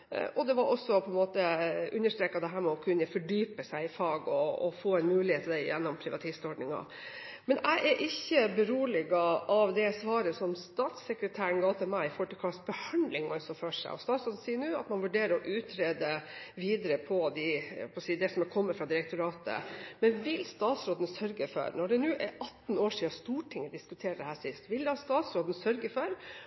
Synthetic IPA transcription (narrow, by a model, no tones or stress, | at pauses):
ʔɔd̪ɛʋɑɾʔɔsːɔpʰɔɛnmoːt̪əʔʉnːəʂt̪ɾeːkːɑd̪ɛɦæːɾmɛɔkʰʉnːəfɔɖyːpəsæɪɪfɑːɡɔːfoːɛɪnmʉːlɪheːt̪ʰːd̪ɛjɛ̰nːɔmpʰɾɪʋɑ̰t̪ʰiːst̪ɔɖɳɪŋɑ̰ | mɛnʔæ̰ɪʔæʔɪçːəbəɾuːlɪɡɑɑʋd̪ɛsʋɑːɾəsɔmst̪ɑːt̪sɛkɾət̪ʰæːɾəɳɡɑːt̪əmæɪfɔʈːɪk̪ʰɑsbəhɑnd̪lɪŋɑlsɔføːʂæ̰ɔ̰st̪ɑːt̪sɔd̪n̩siːnʉːɑ̰t̪mɑnʋʉɖeːɾəɾɔʔʉːt̪ʰɾeːd̪əʋiːd̪əɾəpʰɔd̪ɪpʰɔsiːd̪ɛsɔmɛkʰɔmːəfɾɑd̪ɪɾɛk̚t̪ʊɾɑːt̪ə̰mɛnʋɪlst̪ɑːt̪sɾoːd̪ən̩sœɾɡəfɔ̰ɾnɔɖɛnʉːʔɛʔɑt̪noːʂiːɑst̪uːʈʰɪŋːəd̪ɪskʉt̪ʰeːɾd̪ɛhæːʂɪst̪ʋɪld̪ɛhɑst̪ɑːt̪sɾoːd̪n̩sœɾɡəfɔɾ